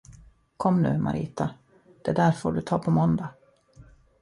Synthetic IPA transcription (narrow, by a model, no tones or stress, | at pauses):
kʰɔmːnʉ̟ːmʔa̰ɾʔḭːt̪a | d̪̥ɛd̪æɾfoːɖɵt̪ʰɑːpʰɔmɔnd̪a